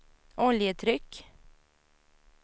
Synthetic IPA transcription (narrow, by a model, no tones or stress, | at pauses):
ɔljət̪ʰɾʏk